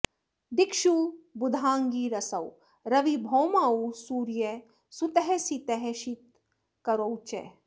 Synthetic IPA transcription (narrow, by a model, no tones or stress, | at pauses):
d̪ikʃubud̪ʱaːŋɡiːɾɐsɐw | ɾɐʋibʱoːmaːusuːɾje | sut̪ɐɦesit̪eɦeʃit̪̚ | kɐɾowt͡ʃḛ